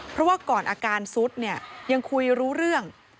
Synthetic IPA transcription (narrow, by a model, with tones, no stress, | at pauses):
pʰɾɔ˦˥waː˥˩kɔː˨˩nʔaː˧kaː˧nsu˦˥t̪̚ni˥˩əja˧ŋkʰu˧jɾuː˦˥ɾɯ˥˩əŋ